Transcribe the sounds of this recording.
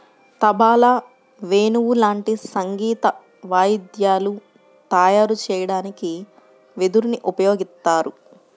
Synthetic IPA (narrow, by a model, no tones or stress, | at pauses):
t̪ɐbaːlɐ | ʋeːnuwulaːɳʈisɐŋɡiːt̪ɐ | ʋaːjid̪jaːlu | t̪ɐːjaːɾut͡ʃɛːjɐɽaːniki | ʋed̪uɾniʔupɐjo̞ːɡist̪aːɾu